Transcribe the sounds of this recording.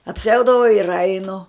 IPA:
ɐpʲˈsʲɛʊdɐʋɐʊ ɪr ˈɐɪnʊ

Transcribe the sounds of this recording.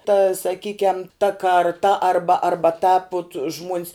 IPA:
tɐ sɐˈkʲiːkʲɛm tɐ kɐrˈtɐ ˈɐrbɐ ɐrˈbɐ tɑːp ʊt ʒmuɔnʲs

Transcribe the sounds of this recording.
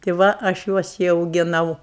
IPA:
tʲɪ ˈʋɐ ɐʃ ˈjuɔs ɪ ɐʊɡʲɪˈnɐʊ

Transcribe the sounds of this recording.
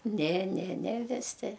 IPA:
nʲɛ nʲɛ nʲɛ ʋʲɪˈsʲɪ

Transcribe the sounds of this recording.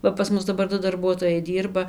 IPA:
ˈʋɐ pɐs ˈmʊs dɐˈbɐr ˈdʊ dɐrˈbuɔtoːjɛɪ ˈdʲiːrbɐ

